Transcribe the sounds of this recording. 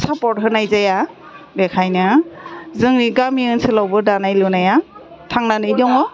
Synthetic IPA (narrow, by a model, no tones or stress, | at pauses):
sapɔt̚ɦɯnajzaja | bekʰajnɯ | zɯŋniɡamiɯnsɯlawbɯdanajlunaja | tʰaŋnanɯjdɔŋɔ